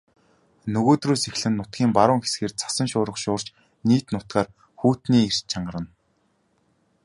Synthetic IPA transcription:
nɵɣoːt̪ruːsexɮɘ̆nːʊt̪̚ɡʲiːmpaɾʊːŋxe̥sɡeːrt͡sʰḁsə̆ŋʃʊːɾə̆χʃʊːr̥t͡ɕ | niːt̪nʊt̪̚ɢaːr | xuːt̪niːir̥t͡ɕt͡ɕʰaɴɢə̆ɾə̆n

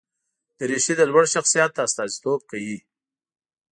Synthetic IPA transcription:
d̪̥əɾeʃid̪əlwaɽʃaxsijɑt̪̚d̪aːst̪ɑzit̪ob̚kawi

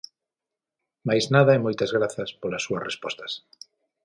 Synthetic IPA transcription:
majznaðɐɛmojt̪ɐzɣɾaθɐspolɐsːuɐsrespɔst̪ɐ̥s

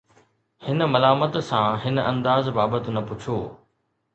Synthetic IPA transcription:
hɪnə̆mɐlaːmət̪sãɦɪnɐ̃nd̪aːzbaːbət̪nɐpʊt͡ɕʰoː

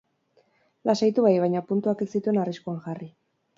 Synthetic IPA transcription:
lasajt̪uβajβ̞ajɲapunt̪uakesit̪ue̞nariskuaŋʝari

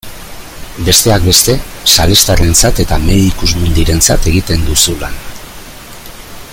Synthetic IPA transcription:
be̞st̪e̞ak̚be̞st̪e̞sale̞st̪aɾe̞nt͡sat̪e̞t̪ameðikuzmund̪iɾe̞nt͡sa̰t̪e̞ɣ̞it̪e̞nd̪usulan

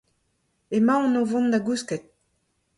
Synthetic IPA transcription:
emɑ̃ːnovɔ̃nd̪aɡuskɛt̪̚

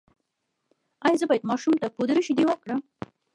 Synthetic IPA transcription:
ɑjɑzəbɑjəd̪mɑʃumt̪apod̪ɾəʃid̪iwakɽəm

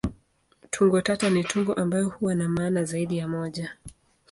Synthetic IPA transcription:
tʰuŋɡɔtatanitʰuŋɡɔʔambajɔhuwanamaːnazaiɗijamɔʄa

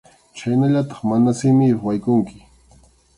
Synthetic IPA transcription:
t͡ʃajnaʎat̪ɑ̥χmanasɪmɪjwajkʊŋkɪ̥

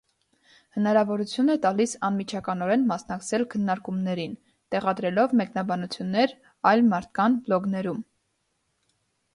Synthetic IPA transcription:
hənɑɾɑvɔɾut͡sʰjunɛt̪ɑlisɑnmit͡ʃʰɑkɑnɔɾɛnmɑsnɑkt͡sʰɛlkʰənːɑɾkumnɛɾin | t̪ɛʁɑd̪ɾɛlɔvmɛknɑbɑnut͡sʰjunːɛɾ | ɑjlmɑɾt̪̚ʰkɑnblɔɡnɛɾum

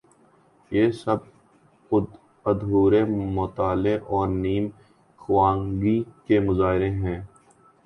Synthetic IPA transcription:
jeːsɐb̚ | ʊ | əd̪ʱɦuːɾemʊt̪aːleʔɔːɾniːm | xʊʋãːŋɡikemʊzaːɦɪɾeɦɛ̃ː

